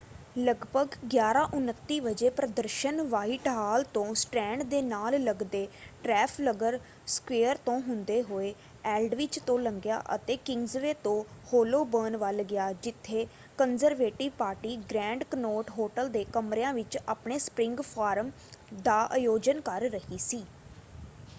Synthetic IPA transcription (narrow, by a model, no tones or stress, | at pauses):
ləɡbʱəɡɡjaːɾãːʔʊnət̪ːiːʋəd͡ʒeːpɾəd̪əɾʃənʋaːɪʈɦaːlt̪õːsʈɛ̃ːɳɖd̪eːnaːlləɡd̪eːʈɾɛːpʰləɡəɾ | skʋeːəɾt̪õːɦʊnd̪eːɦoːeː | ɛːlɖʋɪt͡ʃt̪õːləŋɡja̰ːʔə̰t̪eːkɪŋɡzʋeːt̪õːhoːloːbəːnʋəlɡɪjaːd͡ʒɪt̪ʰːeː | kənzəɾʋeːʈɪʋpaːɾʈiːɡɾɛ̃ːɳɖkənoːʈɦoːʈəld̪eːkəmɾejãːʋɪt͡ʃa̰ːpɳeːspɾɪ̃ŋɡpʰaːɾəm | d̪aːʔajoːd͡ʒənkəɾːəɦiːsiː